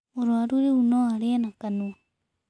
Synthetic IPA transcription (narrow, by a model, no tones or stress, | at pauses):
oɾwaɾuɾeunoaɾenakanua